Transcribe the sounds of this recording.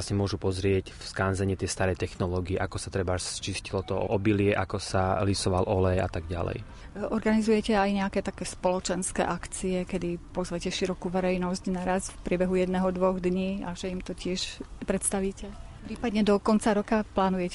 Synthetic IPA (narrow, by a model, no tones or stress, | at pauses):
asɲɛmʊɔʒupɔzɾɪɛcfskanzɛɲiɛt̪ɪɛst̪aɾɛjt̪ɛxnɔlɔːɡiɛʔakɔsat̪ɾɛbat͡ʃiscilɔt̪ɔɔ̰ʔɔbilɪɛʔakɔsalisɔʋalʔɔlɛja̰t̪aɡɟa̰lɛ̰j | ʔɔɾɡanizujɛcɛajɲɛakɛːt̪akɛːspɔlɔt͡ʃɛnskɛ̰ːʔakt͡siɛkɛd̪ipɔzʋɛcɛʃiɾɔkuːʋɛɾɛjnɔscnaɾasfpɾɪɛbɛɦujɛd̪nɛɦɔd̪ʋɔɣd̪ɲiːaʒɛimt̪ɔcɪɛʃpɾɛt̪st̪aʋiːcɛ | pɾiːpad̪ɲɛd̪ɔkɔnt͡saɾɔkaplaːnujɛcɛ